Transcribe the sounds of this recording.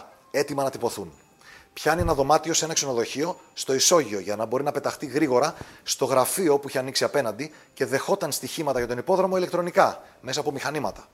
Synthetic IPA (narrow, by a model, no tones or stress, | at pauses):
e̞t̪imɐnɐt̪ipo̞θun | pçɐnenɐðo̞mɐt̪io̞se̞nɐkse̞no̞ðo̞çio̞st̪o̞iso̞ʝio̞ʝɐnɐbo̞ɾinɐpe̞t̪ɐxt̪iɣɾiɣo̞ɾɐst̪o̞ɣɾɐfio̞puiçeɐniksiɐpe̞nɐnd̪i | ce̞ðe̞xo̞t̪ɐnst̪içimɐt̪ɐʝɐt̪o̞nipo̞ðɾo̞mo̞ilekt̪ɾo̞nikɐme̞sɐːpo̞mixɐnimɐt̪ɐ̥